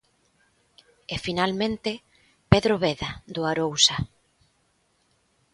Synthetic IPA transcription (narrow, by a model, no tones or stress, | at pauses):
efinalmẽnt̪ɪ | peðɾoβeðaðʊaɾowsa